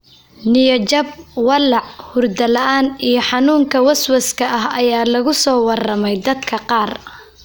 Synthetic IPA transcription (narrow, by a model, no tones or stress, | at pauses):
nɪjɐt͡ʃɐb̚wɑlɑʕhʊrd̪ɐlɐʔaːnijɞħɑnuːŋkʰɐwɐswɐskʰɐʔɐɦɐjaːlɐɣʊsɔːwɑrɐmɛjd̪ɐd̪kʰɐqɑːr